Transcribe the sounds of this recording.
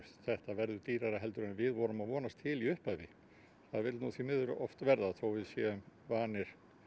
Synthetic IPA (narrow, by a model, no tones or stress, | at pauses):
θɛht̪avɛɾðʏt̪iːɾaɾaɦɛlt̪ʏɾɛnvɪðvɔːɾʏmaðvɔːnast̪ʰɪliʏhpavɪ | θaðvɪɾlnuθvimɪðʏɾʏʔɔft̪vɛɾðaθowvɪðsjɛʏmvaːnɪɾ̥